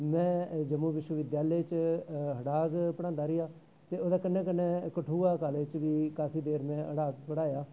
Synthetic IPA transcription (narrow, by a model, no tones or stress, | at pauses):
mɛ̃ːd͡ʒəmũːʋɪʃwəʋɪd̪jaːlet͡ʃɦəɽaːɡpəɽãːnd̪aːɾɪjaː | t̪eːoːd̪aːkənːẽːkənːẽːkəʈʰuːaːkaːleɪt͡ʃʋiːkaːpʰiːd̪eːɾmɛ̃ːə̰ɽaːɡpəɽaːjaː